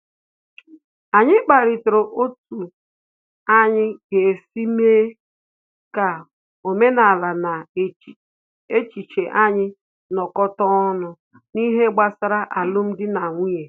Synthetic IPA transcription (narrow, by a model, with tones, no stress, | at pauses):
a˨ɲɪ˦k͡pa˨ɾɪ˨tʊ˨ɾo˨ʔo˦tu˨ | a˦ɲɪ˦ke˨si˦meː˦ | ka˨ | o˨me˦na˨la˨na˨ | e˦t͡ʃi˨t͡ʃe˨ʔa˦ɲɪ˦ | nɔ˨kɔ˦tɔ˦nʊ˨ | ni˦ɦe˦ɡ͡ba˨sa˦ɾa˦ʔa˨lʊ˦m̩˦dɪ˦na˨ŋʷi˦e˨